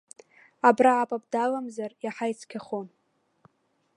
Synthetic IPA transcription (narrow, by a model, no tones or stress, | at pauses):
abraʕapʼab̚dalamzarjaħajt͡sʰkʲʰaχon